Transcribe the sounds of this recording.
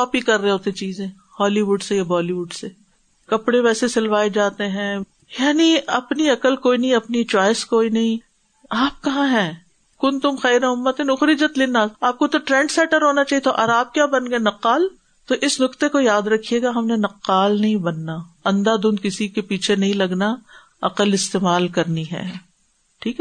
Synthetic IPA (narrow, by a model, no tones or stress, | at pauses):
ɔːpikɐɾːeɦoːt̪ẽt͡ʃiːzẽː | hɔːliʋuːɖsejabɔːliʋuːɖseː | kɐpɽẽʋɛːsesɪlʋaːed͡ʒaːt̪eɦɛ̃ː | jaːniɐpniɐkəlkoːinɐɦĩɐpnit͡ʃɔːɪskoːinɐɦĩ | aːp̚kɐɦãɦɛ̃ː | kʊnt̪ʊmxɛːɾẽʊmːət̪enʊxɾɪd͡ʒət̪lɪnaaːp̚kot̪oʈɾɛ̃ːɳɖsɛːʈəɾɦoːnat͡ʃaːɦiet̪oʔɐɾaːp̚kjaːbɐnɡenɐqːaːl | t̪oʔɪsnʊkt̪ekojaːd̪ɾɐkʰijeːɡaɦɐmnenɐqːaːlnɐɦĩbɐnːaɐ̃nd̪ad̪ʊ̃nd̪̚kɪsikepiːt͡ʃʰenɐɦĩlɐɡna | ɐqəlɪst̪eːmaːlkɐɾniɦɛ̰ː | ʈʰiːkɛ